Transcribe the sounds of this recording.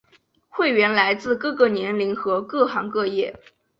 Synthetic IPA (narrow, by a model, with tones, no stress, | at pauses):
xwe˥˩ɪɥɛ˧˥nla˧˥ɪt͡sɹ̩˥˧kɤ˥˧kɤ˥˩njɛ˧˥nli˧˥nxɤ˧˥kɤ˥˩xɑ˧˥ŋkɤ˥˧jɛ˥˩